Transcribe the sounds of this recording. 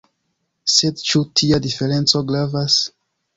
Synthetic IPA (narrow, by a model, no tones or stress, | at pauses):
sedt͡ʃutʰiadifeɾẽnsoɡlavas